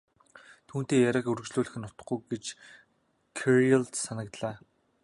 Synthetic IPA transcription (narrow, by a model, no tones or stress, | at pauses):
t̪ʰuːn̥t̪eːjæɾʲə̆kɵɾɵ̆t͡ɕɮuːɮɘ̆xɘ̆nːʊt̪ə̆χɡujɡet͡ɕ | kʰeɾialt̪sanə̆kt̪ɮaː